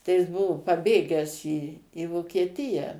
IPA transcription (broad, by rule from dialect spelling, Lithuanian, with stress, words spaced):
tɐɪ jɪs ˈbʊʋʊ pɐˈbʲeːɡʲæːs iː iː ʋoːkʲiɛˈtʲɪjɛ